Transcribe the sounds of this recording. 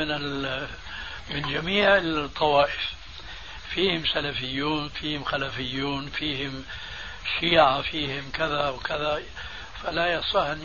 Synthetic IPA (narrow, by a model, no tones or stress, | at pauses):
ɪnɪl | mɪnd͡ʒamiːʕɪt̪ˤʰːɑwɑːʔɪf | fiːhɪmsalafɪjːuːnfiːhɪmxalafɪjːuːnfiːhɪm | ʃiːʕafiːhɪmkɪðawkɪða | falajɑsˤɑhɪn